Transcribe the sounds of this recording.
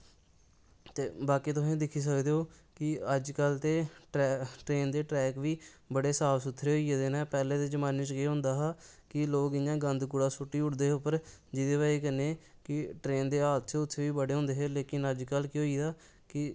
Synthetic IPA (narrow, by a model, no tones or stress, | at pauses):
t̪eːbaːkiːt̪ʊsẽːd̪ɪkʰːiːs̬əkd̪eːoː | kɪəd͡ʒkəlt̪eː | ʈɾeːnd̪eːʈɾɛːkʋiːbəɽeːsaːʋsʊt̪ʰːɾeːɦoːieːd̪eːnɛːpɛːlẽːt̪eːd͡ʒəmaːnet͡ʃkeːɦʊ̃nd̪aːɦaːkɪloːkɪjãːɡənd̪kʊɽãːsʊʈːiːʊʈd̪eːʊpəɾd͡ʒɪd̪eːʋaːiːkəneːkɪʈɾeːnd̪eːaːt̪ʃeːʊt̪ʰːeːʋiːbəɽeːɦõːnd̪eːɦeːleːkɪnəd͡ʒkəlkɪɦoːiːd̪aː | kɪ